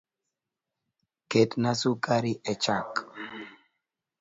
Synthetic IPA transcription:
ketnasukʼaɾiʔɛt͡ʃak

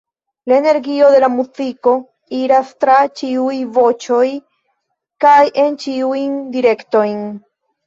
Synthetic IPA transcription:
laene̞ɾɡio̞de̞lamuziko̞ | iɾastɾat͡ʃiujvo̞t͡ʃo̞j | kajʔe̞nt͡ʃiujndiɾe̞kto̞jn

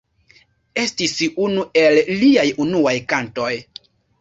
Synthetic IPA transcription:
e̞stisunuʔe̞lliajunuajkanto̞j

